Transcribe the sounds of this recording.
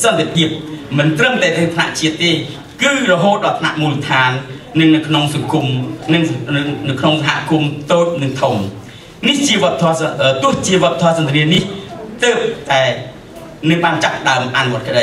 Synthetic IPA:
sɑnt̪epʰiəp̚mɨnt̪rəmlɛːt̪ʰːɨəŋt̪ʰna̰ʔt͡ɕiət̪ːeː | kɨːrɔɦoːt̪̚ɗɑːlt̪ʰna̰ʔmuːlət̪ʰaːnːɨŋnɨwkʰnoŋsɑŋkumnɨŋnɨwkʰnoŋsaɦa̰ʔkumt̪oːt̪̚nɨŋt̪ʰum | niht͡ɕiəʋŏəpət̪ʰɔːəːt̪ʊ̆əht͡ɕiəʋŏəpət̪ʰɔːsɑnt̪eɾiəniht̪əːp̚t̪aɛ | nɨŋɓaːnt͡ɕapːəɗaəmʔanuʋŏət̪̚kə̆ɗəj

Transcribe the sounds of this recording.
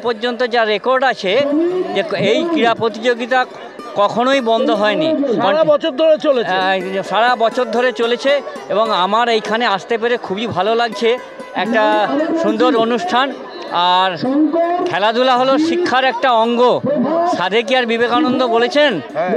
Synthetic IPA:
poɾd͡ʑont̪̬od͡ʑaɾekoɾɖat͡ɕʰed͡ʑeejkɾiɾapɾot̪̬id͡ʑoɡit̪̬a | kɔkʰonojbɔnd̪ʱoɦɔeniaabɔt͡ɕʰot̚d̪ʱoɾet͡ɕoleʃaɽabɔt͡ɕʰot̪̚d̪ʱoɾet͡ɕolet͡ɕʰeeboŋamaɾejkʰaneaʃt̪ep̬eɾekʰubibʱalolaɡ̚t͡ɕʰe | ɛk̚ʈaʃund̪oɾonuʃʈʰan | aɾkʰɛlad̪ʱulaɦoloʃikʰːaɾɛk̚ʈaɔŋɡoʃad̪ʱek̬iaɾbibekanond̪obolet͡ɕʰen

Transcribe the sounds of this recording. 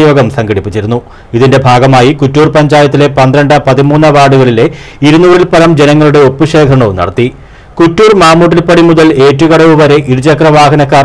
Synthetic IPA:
jo̞ːɡɐmsɐŋɡɐɽipːit͡ɕːiɾunːu | iðinde̞bʱaːɡɐmaːjikutːuːrpɐɲd͡ʑaːjɐt̪ːile̞pɐnd̪rɐɳɖɐpɐðimuːnːɐʋaːɽuɣɐɭile̞ | iɾunuːrilpɐlɐmd͡ʑe̞nɐŋːɐɭuɽeo̞pːɨʂe̞ːkʰɾɐɳɐʋnɐ̰ɽɐt̪ːi | kutːuːrmaːmːuːʈ̬ːilpɐɽimuðɐle̞ːtːuɣɐɽɐʋuʋɐɾe̞ʔiɾut͡ɕɐkrɐʋaːɦɐnɐkːaːr

